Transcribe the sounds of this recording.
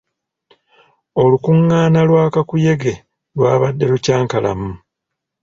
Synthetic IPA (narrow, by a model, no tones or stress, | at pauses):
o̞lukuŋːaːnalwaːkakuje̞ɡe̞ | lwaːβadːe̞ɾucaːŋkala̰mu